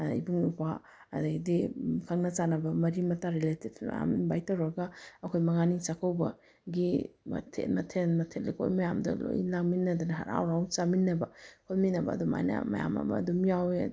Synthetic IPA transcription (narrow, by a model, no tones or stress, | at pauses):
ḭbuŋupʰa | ɐdadikʰɐŋnɐt͡ʃanɐbɐmɐɾimɐtaɾiletibm̰ja̰mbajtawɾɐɡaɐkʰojmɐŋanit͡ʃakʰawbɐ | ɡimɐ̰tʰḛmɐtʰenmɐtʰetlikʰo̰jmɐjamdɐ̰lo̰jḭlakminːɐdunɐɦa̰ɾa̰wɾawt͡ʃaminːɐbɐkʰolminɐbɐ̰ːduma̰jnɐ̰mɐ̰ja̰mɐ̰mɐ̰ːdumijawj̰